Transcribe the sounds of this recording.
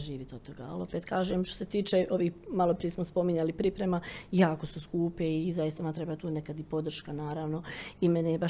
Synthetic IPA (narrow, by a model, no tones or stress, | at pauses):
ʒiːʋit̪ot̪o̞ɡa̰a̰lo̞pet̪kaːʒeːmʃt̪ose̞t̪iːt͡ʃeʔo̞ʋiːhmalˠopɾijesmospo̞miɲalipɾipɾe̞majaːkosuskuːpeizajist̪amamt̪ɾe̞bat̪uːnekad̪ipo̞d̪r̩ʃkanaːɾaːʋno̞imenejeba